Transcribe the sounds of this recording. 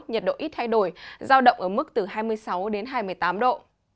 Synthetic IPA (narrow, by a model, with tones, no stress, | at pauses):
t̚ɲə˨˩t̚ɗo̰˧˨ʔi˦˥t̚t̪ʰa˧jɗo˧˩jzaː˧wɗə̰˧˨wŋ͡mʔəː˧˩mɨ˦˥k̚t̪ɨ˨˩ɦaː˧jmɨ˧əjsa˨˦wɗe˨˦nɦaː˧jmɨ˧˩əjt̪aː˨˦mɗo̰˧˨